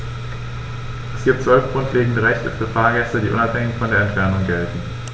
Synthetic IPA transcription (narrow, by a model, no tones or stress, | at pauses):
ʔɛsɡ̥iːp̚tt͡sv̥œlfɡ̥ʁʊntʰleːɡŋ̩dəʁɛçtəfyːɐfaːɐɡɛstədiːʔʊ̰naphɛŋɪçfɔndeːɐɛntfɛɐnʊŋɡɛltn̩